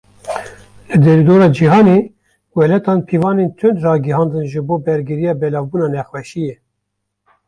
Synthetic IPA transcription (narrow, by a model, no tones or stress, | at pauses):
lɨd̪ɛlid̪oːɾɑːd͡ʒiɦɑːneː | wɛlɛt̪ɑːnpʰiːvɑːneːnt̪ʰʊnd̪rɑːɡihɑːnd̪ɨnʒɨboːbɛɾɡɨɾijɑːbɛlɑːvbuːnɑːnɛxwɛʃijɛ